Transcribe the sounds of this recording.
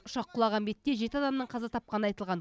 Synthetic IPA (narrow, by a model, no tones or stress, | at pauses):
ʊʃɑqʰːʊlˠɑʁɑnbe̞t̪ːe̞ʒe̞t̪ɪɑd̪ɑmnəɴqʰɑzɑt̪ʰɑp̚qɑnəɑjt̪əlˠʁɑn